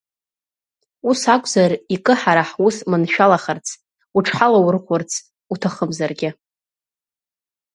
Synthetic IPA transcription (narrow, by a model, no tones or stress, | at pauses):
usakʷʼzarikʼɨħaɾaħusmɨnʃᶣalaχərt͡sʰ | uʈ͡ʂʰħalawrʁʷʊrt͡sʰ | utʰaχəmzarɡʲɪ